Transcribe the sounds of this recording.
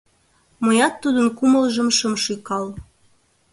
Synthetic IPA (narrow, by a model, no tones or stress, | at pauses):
məjɑt̪ːud̪ənkuməlʒəmʃəmʃykɑl